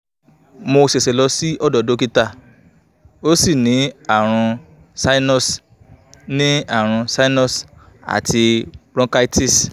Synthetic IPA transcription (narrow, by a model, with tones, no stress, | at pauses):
mo˧se˨se˨lɔ˧si˦ɔ˦˨dɔ˨do˨˦ki˦ta˦˨ | o˦si˦˨nĩ˨˦a˦˨ɾ̃ũ˧ | sa˦i˦nɔ̃˦˨s | nĩ˦a˦˨ɾ̃ũ˧sa˦i˦nɔ˦˨s | a̰˨tʰi˧ɾɔ̃˦ka˦i˦ti˦˨s